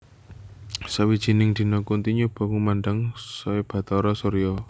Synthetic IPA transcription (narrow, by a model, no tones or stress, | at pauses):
sawid̥ʒ̥i̤nɪŋd̪̥i̤nɔkunt̪iɲub̥ɔ̤kumanɖəŋsɔeb̥ä̤t̪ɔɾɔsoɾijɔ